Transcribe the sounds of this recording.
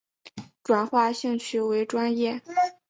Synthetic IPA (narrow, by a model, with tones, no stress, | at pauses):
ʈ͡ʂwa˨˩nxwa˥˧ɕi˥˧ŋt͡ɕʰy˥˩we˧˥ɪʈ͡ʂwa˥njɛ˥˩